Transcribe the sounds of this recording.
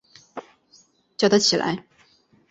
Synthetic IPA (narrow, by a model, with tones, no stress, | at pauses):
t͡ɕjo˨˩ʊd̪ə˦t͡ɕʰi˨˩la̰˧˥ɪ